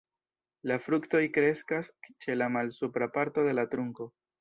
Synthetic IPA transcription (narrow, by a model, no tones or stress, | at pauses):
lafɾukto̞jkɾe̞skast͡ʃe̞lamalsupɾapaɾto̞de̞lat̪ɾuŋko̞